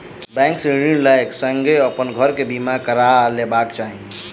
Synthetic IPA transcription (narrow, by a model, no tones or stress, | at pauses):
bɛ̃ːŋksiɽilaɪksə̃ŋɡeəpənɡʱəɾkebimakəɾalebakt͡ʃaːɦĩ